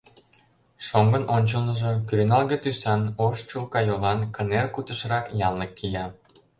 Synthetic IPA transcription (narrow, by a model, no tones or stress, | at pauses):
ʃoŋɡənʔonʲt͡ɕəlnəʒekyɾynɑlˠɣet̪ysɑnoʃt͡ɕulkɑjolɑnkənerkut̪ə̆ʃrɑkjɑlnəkːijɑ